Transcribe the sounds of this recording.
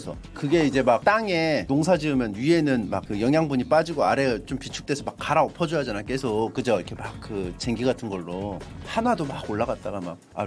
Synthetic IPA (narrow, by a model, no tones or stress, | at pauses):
sʰʌ | kɯɡe̞id͡ʑe̞mak̚t͈aŋe̞toŋs̬ʰad͡ʑiɯmjʌnɥie̞nɯnma̰k̚k͈ːɯjʌŋɦjaŋbuɲip͈ad͡ʑiɡoaɾe̞t͡ɕompit͡ɕʰu̥k̚t͈esʰʌmak͈ːaɾaʌpʰʌd͡ʑʌjad͡ʑanajk͈e̞sʰokɯd͡ʑʌikʰe̞mak̚k͈ːɯt͡ɕe̞ŋɡiɡatʰɯnɡʌɭːohanadomaɡoɭːaɡat̚t͈aɡama̰ka̰